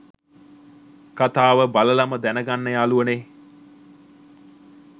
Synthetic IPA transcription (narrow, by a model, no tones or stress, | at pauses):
kat̪aːʋəbaləlaməd̪ænəɡanːəjaːluʋəne